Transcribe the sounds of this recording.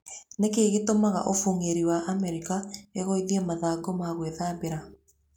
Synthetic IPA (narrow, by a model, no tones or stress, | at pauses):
nekeːɣetomaɣa̰ʔofuŋeɾiwaʔamɛɾikaeɣoiðiɛmaðaːɡɔmaɣweðaːbeɾa